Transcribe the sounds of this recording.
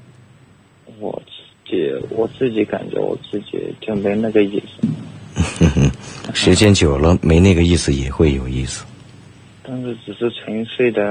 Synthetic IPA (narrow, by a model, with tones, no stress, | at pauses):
wɔ̰˨˩t͡sɹ̩˥˩t͡ɕi˨˩wɔ˨˩t͡sɹ̩˥˩t͡ɕi˧˥ka̰˨˩nt͡ɕɥɛ̰˧˥wɔ̰˩t͡sɹ̩˥˩t͡ɕḭ˨˩ʈ͡ʂjə˥˩npe˧˥ɪna˥˩ɡə˩i˥˩sɹ̩˨˩˥ | ʂɻ̩˧˥t͡ɕjɛ˥nt͡ɕjo˨˩ʊlə˦me˧˥ɪna˥˩ɡə˩i˥˩sɹ̩˩jɛ˨˩xwe˥˩ɪjo˨˩ʊi˥˩sɹ̩̥˨˩ | t̪a˥˧nʂɻ̩˥˩ʈ͡ʂɻ̩˨˩ʂɻ̩˥˩t͡sʰə˧˥ŋ˥ʂwe˥˩ɪd̪ə˨